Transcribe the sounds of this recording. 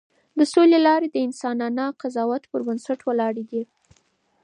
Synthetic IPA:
d̪əsolelɑɾed̪əɪnsɑnɑnɑqazɑwat̪pəɾbansaʈwəlɑɽeɡ̪i

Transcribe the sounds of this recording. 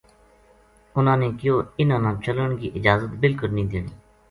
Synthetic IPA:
ʊnãːneːkɪjoːɪnãːnãːt͡ʃələɳɡiːʔɪd͡ʒaːzət̪bɪlkʊlnĩːd̪ɪɳiː

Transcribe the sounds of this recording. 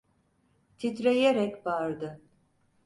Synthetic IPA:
t̪ʰit̪ɾejeɾɛcbaɾd̪ɯ

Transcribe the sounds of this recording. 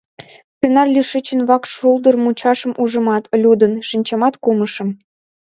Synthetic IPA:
st͡senɑrlʲiʃət͡ɕənβɑkʃuld̪ə̆rmut͡ɕɑʃə̆muʒə̆mɑt̪̆lʲud̪ə̆nʃinʲt͡ɕɑmɑt̪kumə̆ʃɤ̆m

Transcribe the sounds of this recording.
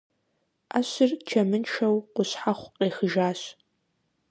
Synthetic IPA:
aːɕɪrt͡ʃʰɐmɨnʈ͡ʂʰɐwqʷʊɕħaχʷqeːxəʒaːɕ

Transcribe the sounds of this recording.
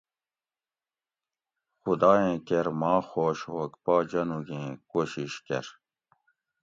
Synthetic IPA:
xud̪aːẽːkeɾmɑːxoːɕhoːkpaːd͡ʑɐnuɡẽːkoːɕiɕkḛɾ

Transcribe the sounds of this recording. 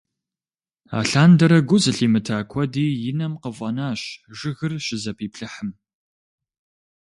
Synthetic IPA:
a̰ːɬaːndɐɾɐɡʷʊzɨɬiːmɨtʰaːkʷʰɔdiːjɪnɐmqəvʷʼɐnaːɕʒɪɣɨrɕɪzɐpʰiːpɬɨħəm

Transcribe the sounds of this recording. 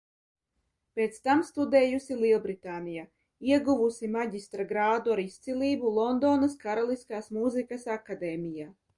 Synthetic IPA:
peːt̪st̪amst̪ud̪ɛːjusilˠilˠbɾit̪aːnija | iɛɡuvusimaɟist̪ɾaɡɾaːd̪uaɾist̪silʲˠiːbulˠɔnd̪oːnaskaɾalˠiskaːsmuzikasakad̪ɛːmʲijaː

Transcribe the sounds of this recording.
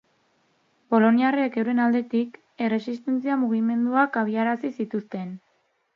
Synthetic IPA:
po̞lo̞niareekewɾe̞nald̪e̞t̪ik | e̞re̞sist̪e̞nt͡siamuɣ̞ime̞nd̪uakaβ̞iaɾasisit̪ust̪e̞n

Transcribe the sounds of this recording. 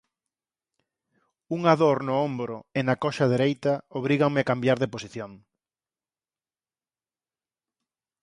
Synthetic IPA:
uŋaðoɾnʊombɾʊɪnakɔʃaðeɾejt̪ɐoβ̞ɾiɣaŋmɪakambjaɾðeposiθjoŋ

